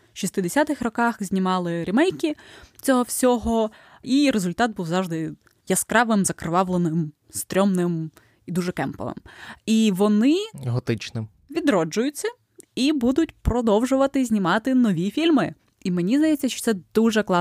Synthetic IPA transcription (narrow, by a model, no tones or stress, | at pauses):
ʃist̪ɪd̪esʲat̪ɪxrɔkɑxzʲnʲimɑlˠɪɾʲimɛjkʲit͡sʲɔɦɔwsʲɔɦɔ | iɾezʊlʲt̪ɑt̪̚buwzɑwʒd̪ɪ | jɐskɾɑʋɪmzɐkɾɪʋɑʋlˠenɪm | st̪ɾʲɔmnɪm | id̪uʒɛkɛmpɔ̰ʋɪ̰miʋɔnɪɦɔt̪ɪt͡ʃnɪm | ʋʲid̪ɾɔd͡ʒʊjʊt͡sʲːɐ | ibud̪ʊtʲpɾɔd̪ɔwʒʊʋɐt̪ɪzʲnʲimɑt̪ɪnɔʋʲifʲilʲmɪ | imenʲizd̪ɐjɛt͡sʲːɐʃt͡ʃɔ̥t̪sɛd̪̥uʒɛklˠɑ